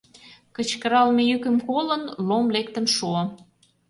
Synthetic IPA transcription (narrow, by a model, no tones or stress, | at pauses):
kə̆t͡ɕkə̆ɾɑlmejykə̆mkolə̆nlomlekt̪ə̆nʃuo